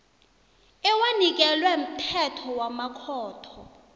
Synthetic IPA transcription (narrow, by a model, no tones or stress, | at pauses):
ɛwanik̬ɛlwɛm̩tʰɛtʰɔwamakʰɔːtʰɔ